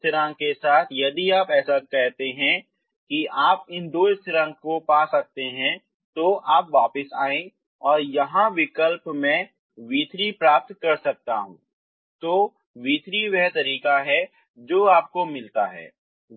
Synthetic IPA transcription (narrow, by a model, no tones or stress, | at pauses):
t̪ɾə̃ŋɡkesaːt̪ʰjɐd̪iaːpɛːsakɛɦt̪eɦɛ̃ | kiʔaːpɪnd̪oːɪst̪ɾə̃ŋɡ̚kopaːsɐk̚t̪eɦɛ̃ | t̪oʔaːpʋaːpɪsaːẽ | ɔːɾjɐɦãʋɪkəlpmẽ | ʋiːt̪ɾipɾaːp̚t̪kɐɾsɐk̚t̪a̰ɦṵ̃ː | t̪oː | ʋiːt̪ɾiʋɛɦt̪ɐɾiːkaɦɛ | d͡ʒoːaːp̚komɪlt̪aɦɛ̰ː